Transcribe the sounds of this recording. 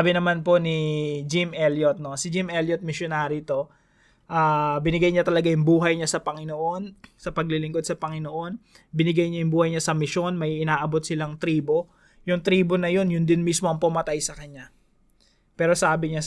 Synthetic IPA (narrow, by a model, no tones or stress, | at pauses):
bɪnɐmanpo̞nɪd͡ʒɪmʔɛljot̪̚no̞sɪd͡ʒɪmʔɛljot̪̚mɪʃjonaːɾit̪o̞ | ʔaːbɪnɪɡajɲat̪ɐlɐɡajʊŋbuːɦɐjɲasɐpɐŋɪno̞ʔo̞nsɐpɐɡ̚lɪlɪŋkd̪sɐpɐŋɪnoʔo̞n | bɪnɪɡajɲajʊŋbuːhɐjɲasɐmɪʃo̞nmɐjʔɪnaːʔɐbo̞t̪̚sɪlaŋt̪ɾiːbo̞ | jʊŋt̪ɾiːbo̞nɐjo̞njʊnd̪ɪnmismoɐŋpɐmɐt̪ajsɐkɐɲːa | pɛːɾo̞saːbɪɲa